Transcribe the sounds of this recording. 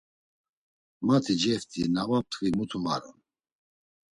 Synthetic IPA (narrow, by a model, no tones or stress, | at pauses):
mat̪ʰid͡ʒɛft̪ʰʼinavat̪ʰvimut̪ʰumaɾṵn